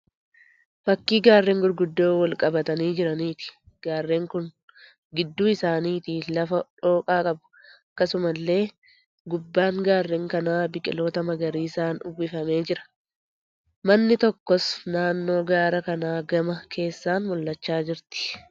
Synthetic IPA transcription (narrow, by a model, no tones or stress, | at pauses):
fɐkːiːɡaːrːeŋɡʊɾɡʊd̪ːoːwɐlkʼɐbɐt̪ɐniːd͡ʒɪɾɐniːt̪ɪ̥ | ɡ̥aːrːeːŋkʊn | ɡɪd̪ːuːɪsaːniːt̪ɪlɐfɐᶑo̞ːkʼaːkʼɐbʊ̥ɐkːɐsʊmɐlːe̞ː | ɡʊbːaːŋɡaːrːeːŋkɐnaːbɪkʼɪlo̞ːt̪ɐmɐɡɐɾiːɪsaːnʊ̰bɪfɐme̞ːd͡ʒɪɾɐ̥ | mɐnːɪt̪ɔkːɔsnaːnːo̞ːɡaːɾɐkɐnaːɡɐmɐkʰe̞ːsːaːnmʊlːɐt͡ʃːaːd͡ʒɪɾt̪ɪ̥